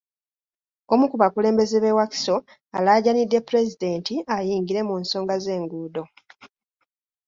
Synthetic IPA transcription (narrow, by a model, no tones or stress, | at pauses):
o̞mukuβakule̞ːmbe̞zeβe̞waki̥so̞ | alaːɟanidːe̞puɾe̞zide̞ːntiajiːŋɡiɾe̞munso̞ːŋɡaze̞ːŋɡuːdo̞